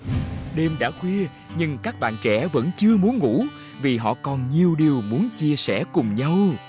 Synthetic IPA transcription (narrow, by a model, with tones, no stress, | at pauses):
ɗe˧mɗa̰ː˧˥xwi˧ə | ɲɨ˧ŋkaː˦˥k̚ɓa̰ː˧˨nt͡ɕɛ̰˧˥və̰˧˥nt͡ɕɨ˧əmu˨˦ənŋṵ˧˥ | vi˨˩ɦɔ̰˧˨kɔ˨˩nɲi˨˩əwɗi˨˩əwmu˨˦ənt͡ɕi˧əsɛ˧˩kʊ˨˩ŋ͡mɲə˧w